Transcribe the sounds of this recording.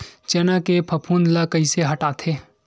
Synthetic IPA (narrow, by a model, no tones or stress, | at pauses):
t͡ʃeːnakepʰɐpʰuːnlakɐiseɦɐʈaːt̪ʰeː